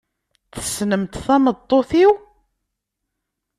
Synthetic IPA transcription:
θə̥snəmt̪θæməd̪ˤːoθiw

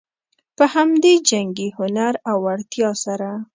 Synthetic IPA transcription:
pəhamd̪ed͡ʒaŋɡehʊnaɾawaɽt̪jɑsaɾa

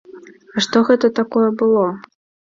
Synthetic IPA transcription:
ɐʂt̪ɔɣɛt̪ɐt̪akɔjɛbɨlˠɔ

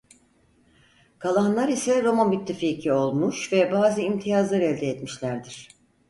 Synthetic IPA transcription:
kʰalˠaɦnlˠaɾisɛɾo̞manbit̪ʰːɯficʰio̞lˠmuʃvɛbaːzɯimt̪ʰijazlˠaɾɛlʲd̪ɛːt̪miʃlʲæɾd̪iɾ̥

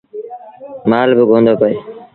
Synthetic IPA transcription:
maːlbəɡʱõːnd̪ʱoːpəeː

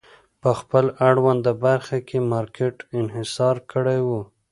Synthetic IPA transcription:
pəxpəlaɽwand̪əbaɾxakʰemɑɾkʰeʈɪnɦɪsɑɾkəɽajwu

